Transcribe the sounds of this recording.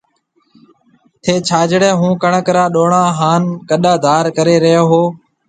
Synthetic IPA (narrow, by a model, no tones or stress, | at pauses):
t̪ʰeːt͡ʃʰaːd͡ʒɽẽːɦũːkəɳkɾãːɗoːɳãːɦaːnkəɗaːd̪ʱaːɾkəɾeːɾəɦjoːɦoː